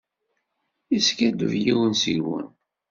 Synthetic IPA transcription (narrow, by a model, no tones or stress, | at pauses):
iskæd̪ə̰vjiwənsiwə̰n